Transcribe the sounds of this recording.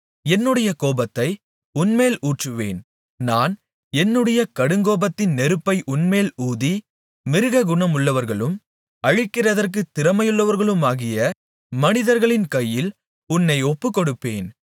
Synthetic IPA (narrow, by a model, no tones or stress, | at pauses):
ɛnːɯɽɐjɐkoːbɐt̪ːɐɪ | ʊnmeːluːʈrɯʋḛːn | naːn | ɛnːɯɽɐjɐkɐɽɯŋɡoːbɐt̪ːɪnːɛɾɯpːɐɪʔʊnmeːluːði | mɪɾɯɣɐɡʊɳɐmʊɭːɐʋɐɾɣɐɭɯm | ɐɻɪkːɪrɐðɐrk̬ɯt̪ːɪrɐmɐjɯɭːɐʋɐɾɣɐɭɯmaːɣɪjɐ | mɐnɪðɐɾɣɐɭɪnkɐjːɪl | ʊnːɐɪɔpːɯkːɔɽɯpːeːn